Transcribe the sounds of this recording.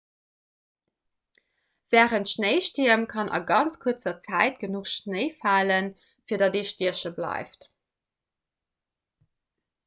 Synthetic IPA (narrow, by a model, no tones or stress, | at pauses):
v̥æːʁəntʃnəɪʃtiɐmkʰɑnʔɑ̰ɡɑnt͡skʰuɐt͡sɐt͡sæɪt̚ɡ̥ənuχʃnəɪfaːlən | fiːɐdɑdeːʃtiɐʃəblɑ̰ɪft